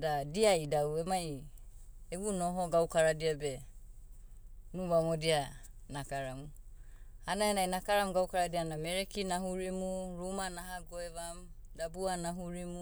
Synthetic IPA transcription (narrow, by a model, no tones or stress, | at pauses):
dadiajdawemaj | eβunoɦoɡawkaɾadiabe | nuβamodianakaɾamu | anahenajnakaɾamuɡawkaɾadiaanameɾekinaɦuɾimuɾumanaɦaɡoeβam | dabuanaɦuɾimu